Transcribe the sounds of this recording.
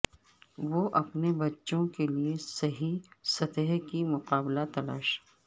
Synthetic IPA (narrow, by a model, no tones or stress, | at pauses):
ʋoːʔɐpnebɐtːʃõkeliesɐɦisɐt̪əɦkimʊqaːblat̪ɐlaːʃ